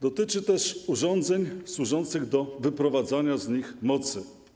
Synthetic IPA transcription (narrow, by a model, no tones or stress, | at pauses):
d̪ɔt̪ɘt͡ʂɘt̪ɛʂuʐɔnd̪zɛɲswuʐɔnt̪sɘɣd̪ɔvɘpɾɔvad̪zaɲazɲixmɔt̪sɘ